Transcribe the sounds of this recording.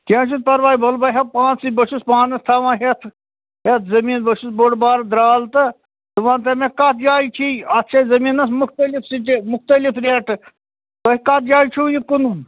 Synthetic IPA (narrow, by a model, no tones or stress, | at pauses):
kʲẽːt͡ʃʰut̪̚pɐɾʋaːibʱɐlbɐɦepãːt͡sibɐʃuspãːnɐst̪ʰaːʋãːɦet̪ʰ | ɦet̪ʰzɐmiːnbɐʃusboɽbaːɾd̪ɾaːlt̪ɨ | t̪ɨʋãːnt̪emekat̪ʰjaːjt͡ʃʰiɐt̪ːʃʰɐzɐmiːnɐsmʊkt̪ɐlifsiʈemʊkt̪əlifɾeːʈ | bɐɦikat̪ʰjaːit͡ʃʰuːjikunun